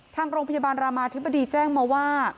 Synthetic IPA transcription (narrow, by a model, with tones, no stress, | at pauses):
t̪ʰaː˧ŋɾoː˧ŋpʰa˧jaː˧baː˧nɾaː˧maː˧t̪ʰi˦˥ba˧diː˧t͡ɕɛː˥˩ŋmɔː˧waː˥˩